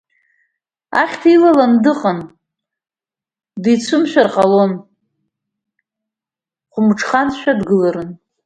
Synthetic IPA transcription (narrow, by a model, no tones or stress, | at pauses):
a̰χʲtʰilalandɨqʼan | dit͡sʷʰʊmʃᶣarqʼalo̞n | χʷʊmʈ͡ʂʰχanʃᶣadɡɨlaɾɨn